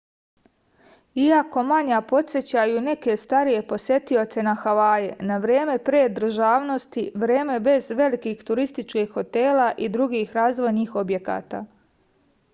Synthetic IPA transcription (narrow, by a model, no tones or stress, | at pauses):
iako̞maɲapo̞t̪sʲjet͡ɕajuːne̞ke̞st̪aɾije̞po̞sje̞t̪io̞t̪se̞naxaʋaːjenaʋɾje̞ːme̞pɾeːd̪r̩ʒaːʋno̞st̪iʋɾeːme̞be̞zʋe̞likiːxt̪uɾist̪it͡ʃkiːxːo̞t̪e̞ːlaʔid̪ɾuɡiːxɾaːzʋo̞jniːxo̞bje̞ka̰ːt̪a̰ː